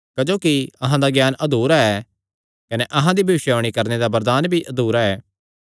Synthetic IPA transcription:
kɐd͡ʒoːkiɐɦãd̪aɡjaːnɐd̪uːɾaɛː | kɐneʔɐɦãd̪ibʱɐʋɪʃjoːɽ̃ikɐɾned̪abɐɾd̪aːnbʱiʔɐd̪uːɾaɛː

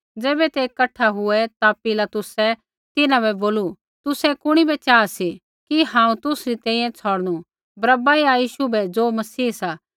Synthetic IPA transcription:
d͡zeːbɛt̪ekɐʈʰaɦʊɛt̪apɪlat̪ʊsɛ | t̪ɪnãbɛboːlu | t̪ʊsɛkʊɽ̃ibɛt͡ʃaːsi | kiɦãːũt̪ʊsɾit̪ɛ̃ːĩjɛ̃t͡sʰɔːɽñu | bɾɐbaiajiːʃubɛd͡zoːmɐsiːsa

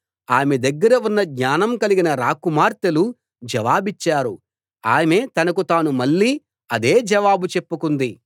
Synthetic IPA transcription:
aːmed̪ɐɡːɐɾɐunːɐɡɲaːnɐmkɐliɡinɐɾaːkumaːɾt̪ɐlu | d͡ʒɐʋaːbit͡ʃːaːɾu | aːme̞ːt̪ɐnɐkut̪aːnumɐɭːiː | ɐd̪e̞ːd͡ʒɐʋaːbut͡ʃepːukund̪i

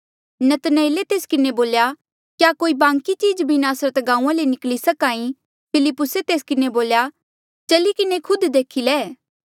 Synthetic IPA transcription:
nɐt̪neɪlet̪eːskɪneboːlja | kjakoːibãːŋkit͡ʃiːd͡ʒbʱinaːsɾət̪ɡãːũãlenɪklisɐkãːĩ | pʰɪlɪpːʊset̪eːskɪneboːlja | t͡ʃɐlikɪnekʰʊd̪d̪eːkʰileː

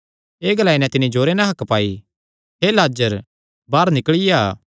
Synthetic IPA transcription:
eːɡəlaːinɛ̃t̪ɪnĩd͡ʒoːɾenɐ̃ɦɐkpaːi | ɦeːlaːd͡ʒəɾ | baːɾnɪkɭɪjaː

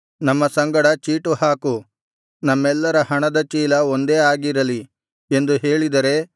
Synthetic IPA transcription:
nɐmːɐsɐŋɡɐɽɐt͡ʃiːʈuhaːku | nɐmːɛlːɐɾɐhɐɳɐd̪ɐt͡ʃiːlɐond̪eːaːɡiɾɐli | e̞nd̪uɦeːɭid̪ɐɾe̞

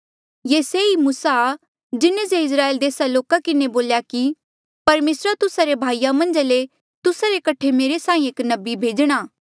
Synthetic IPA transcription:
jeːseimuːsaː | d͡ʒɪnẽseɪs̬ɾaːeːld̪eːsaloːkakɪneboːljaki | pɐɾmeːsɾat̪ʊsaɾebʱaːijamɐ̃nd͡ʒale | t̪ʊsaɾekɐʈʰemeːɾesãːĩeːknɐbibʱeːd͡ʒɽ̃aː

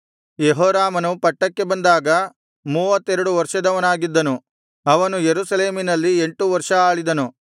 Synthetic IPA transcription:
jeɦoːɾaːmɐnupɐʈːɐkːe̞bɐnd̪aːɡɐ | muːʋɐt̪ːɛɾɐɽuʋɐɾʂɐd̪ɐʋɐnaːɡid̪ːɐnu | ɐʋɐnujeɾuːsɐleːminɐlːieɳʈuʋɐɾʂɐaːɭid̪ɐnu

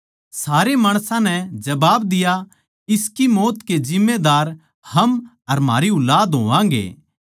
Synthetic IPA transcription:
saːɾemaːɽ̃sãnɛd͡ʒɐbaːbd̪ɪja | ɪskimoːt̪ked͡ʒɪ̃mːed̪aːɾ | hɐm | ɐɾma̰ːɾiʊlaːd̪ɦoːʋãːɡḛː

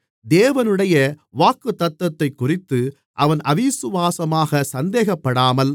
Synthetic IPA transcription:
d̪eːʋɐnɯɽɐjɐʋaːkːɯt̪ːɐt̪ːɐt̪ːɐɪkːʊrɪt̪ːɯ | ʔɐʋɐnɐʋisɯʋaːsɐmaːɣɐsɐnd̪eːɣɐpːɐɽaːmɐl

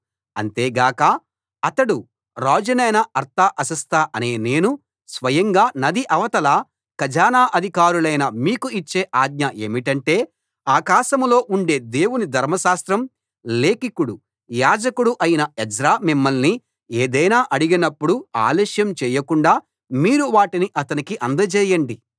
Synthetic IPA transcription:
ɐ̰nt̪e̞ːɡaːkɐ | ɐt̪ɐɽu | ɾaːd͡ʒɐnɐjnɐɐɾt̪ʰaʔɐsɐst̪ʰaʔɐne̞ːne̞ːnu | sʋɐjɐŋɡaːnɐd̪iʔɐʋɐt̪ɐlaː | kɐd͡ʒaːnaːʔɐd̪ʱikaːɾulɐjnɐmiːkuit͡ʃːe̞ːʔaːd̪̚ɲɐʔe̞ːmiʈɐɳʈe̞ː | aːkaːʃɐmlo̞ːʔuɳɖe̞ːd̪e̞ːwunid̪ʱɐɾmɐʃaːst̪ɾɐm | le̞ːkikuɽu | jaːd͡ʒɐkuɽuʔɐjinɐɛd͡ʒɾaːmimːɐlni | eːd̪ɐjnaːʔɐɽiɡinɐpːuɽua̰ːlɛːʃjɐmt͡ʃɛːjɐkuɳɖaː | miːɾuʋaːʈiniʔɐt̪ɐnikiʔɐnd̪ɐt͡ʃɛːjɐɳɖi

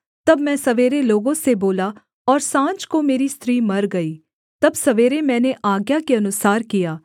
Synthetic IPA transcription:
t̪ɐbmɛ̃ːsɐʋeːɾeloːɡõseboːla | ɔːɾsãːt͡ʃkomeːɾist̪ɾiːmɐɾɡɐiː | t̪ɐbsɐʋeːɾemɛ̃ːneʔaːɡjakeɐnʊsaːɾkijaː

